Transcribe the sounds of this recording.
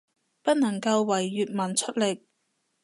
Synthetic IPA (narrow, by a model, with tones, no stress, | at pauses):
pɐ˥t̚nɐ˨˩ŋkɐ˧wːɐ˨˩jːyː˨t̚mɐ˨˩nt͡ʃʰɵ˥t̚lɪ˨k̚